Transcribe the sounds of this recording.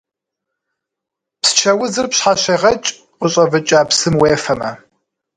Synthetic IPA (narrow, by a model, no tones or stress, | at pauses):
pst͡ʃʰɐwʊzɨrpɕħaɕɐʁɐt͡ʃʼ | qʷʊɕʼɐvɨt͡ʃʼaːpsɨmweːfɐmɐ